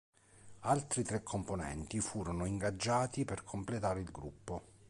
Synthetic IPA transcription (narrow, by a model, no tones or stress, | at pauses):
alt̪ɾit̪ɾɛkʰːomponɛ̰nt̪ifuːɾonoiŋɡad͡ʒːaːt̪iperkʰomplet̪aːɾeilɡɾupːo